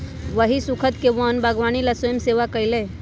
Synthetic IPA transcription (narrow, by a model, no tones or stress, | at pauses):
ʋəɦisukʰət̪keʋənbaɡʋaːnilasojəmseːʋakəile